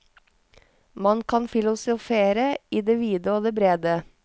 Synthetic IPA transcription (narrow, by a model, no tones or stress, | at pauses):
mɑnkʰɑnfɪlʊsʊfeːɾəiːd̪eːʋiːd̪əoːd̪eːbɾeːd̪ə